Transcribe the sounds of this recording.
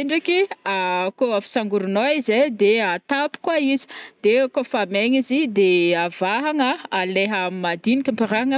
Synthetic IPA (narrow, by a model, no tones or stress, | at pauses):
eɳɖ͡ʐekiakoafi̥saŋɡuɾunoized̪eat̪api̥kwaizi̥d̪̥ekofameɲizid̪eavaɦaŋəaleɦəamimad̪inikʲampiɾaŋə